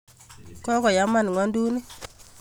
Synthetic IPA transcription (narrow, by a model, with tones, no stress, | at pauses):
kɔ˦kɔ˨ja˨˦ma˦˨n˨ŋwɔ˦ndu˦ni˦